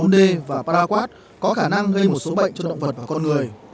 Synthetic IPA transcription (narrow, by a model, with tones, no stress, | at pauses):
nɗe˧vaː˨˩paː˧ɾaː˧kwaː˦˥t̚ | kɔ˨˦xaː˧˩na˧ŋɣə˧jmo˨˩t̚so˨˦ɓə̰˧˨jŋ̟t͡ɕɔ˧ɗə̰˧˨wŋ͡mvə˨˩t̚vaː˨˩kɔ˧nŋɨ˨˩əj